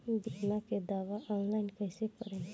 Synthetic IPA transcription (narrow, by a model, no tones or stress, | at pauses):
b̪imaked̪aʋaʔɔnlainkajsepəɾẽ